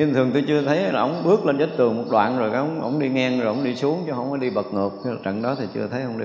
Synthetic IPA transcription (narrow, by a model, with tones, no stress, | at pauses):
ɲɨ˧nt̪ʰɨ˨˩əŋt̪o˧jt͡ɕɨ˧ət̪ʰə˨˦jlaː˨˩ʔə˧wŋ͡mɓɨ˦˥ək̚le˧nzəː˦˥t̚t̪ɨ˨˩əŋmo˨˩t̚ɗwa̰ː˧˨nzo˨˩jkaː˨˦ʔŋ͡mʔə̰˧wŋ͡mɗi˧ŋɛ˧ŋzo˨˩jʔə̰˧˦wŋ͡mɗi˧su˨˦əŋt͡ɕɔ˨˦ɦə˧wŋ͡mfaː˨˦ɗi˧ɓə˨˩t̚ŋɨ˨˩ək̚tʰi˧laː˨˩t͡ɕə̰˧˨nɗɔ˨˦t̪ʰi˨˩t͡ɕɨ̰˧ət̪ʰə˨˦jʔhə˧ŋ͡mɗḭ˧